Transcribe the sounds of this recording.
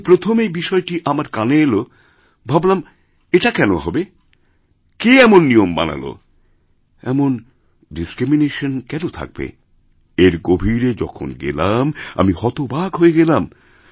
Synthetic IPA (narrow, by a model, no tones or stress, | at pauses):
pɾot̪ʰomejbiʃɔeʈiʔamaɾkaneelo | bʱablam | eʈakɛnoɦɔbe | keɛmonːijomba̰na̰lo̰ | ɛ̰mon | ɖiskɾimineʃonkɛnot̪ʰa̰k̚bḛ | eɾɡobʱiɾed͡ʑɔ̰kʰo̰nɡḛlama̰mihɔt̪obaɡɦoeɡɛlam